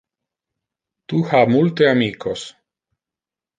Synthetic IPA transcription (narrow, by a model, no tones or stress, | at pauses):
t̪uhamult̪eamikʰos